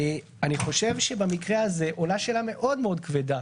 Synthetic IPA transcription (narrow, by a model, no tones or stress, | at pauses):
aniχo̞ʃe̞vʃebamikʁeaze̞ʔolaʃelame̞ʔo̞d̪meo̞d̪̚kveda